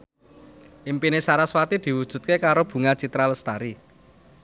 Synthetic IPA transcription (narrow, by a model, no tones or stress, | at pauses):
ʔimpinesaɾaswat̪id̪̥i̤wud̥ʒ̥ṳt̪̚kekaɾob̥ṳŋat͡ʃit̪ɾaləst̪aɾi